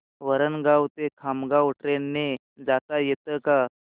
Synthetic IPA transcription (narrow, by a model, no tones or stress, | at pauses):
ʋəɾənɡawt̪ekʰamɡawʈɾenːe | d͡zat̪ajet̪əka